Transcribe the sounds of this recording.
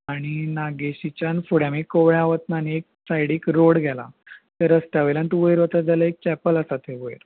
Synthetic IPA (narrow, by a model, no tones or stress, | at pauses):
aɽ̃inaɡeɕit͡ɕanfuɽãmikoʋɭaaʋət̪naniek̚sajɽikɾoɽɡʱɛla̰ | t̪əɾəst̪jaʋeləɳʈʋəjɾʋət̪əd͡zaləek̚t͡ɕɛpəlasat̪eʋəjɾ